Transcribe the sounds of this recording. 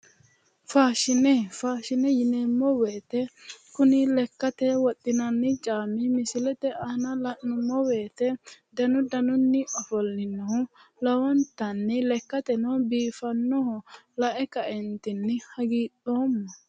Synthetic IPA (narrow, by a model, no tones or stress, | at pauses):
faːʃɪnɛfaːʃɪnɛjɪnɛmːɔweːt̪ɛkʊnɪlɛkːɐt̪ɛwɔt̪ʼːɪnɐnːɪt͡ʃʼaːmɪmɪsɪlɛt̪ɛʔɐnɐlɐʔnʊmːɔwe̞ːt̪ɛd̪ɐnʊd̪ɐnʊnːɪʔɔfɔlːɪnːɔhʊlɐwɔnt̪ɐnːɪlɛkːɐt̪ɛnɔbiːfɐnːɔhʊ | lɐʔɛkɐʔɛnt̪ɪnːɪhɐɡiːᶑoːmːɐ